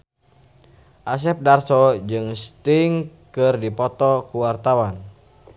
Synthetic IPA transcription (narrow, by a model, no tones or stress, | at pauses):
ʔas̬ɛp̚darsɔd͡ʒɨŋst̪iŋkɨrdipɔt̪ɔkuwart̪awan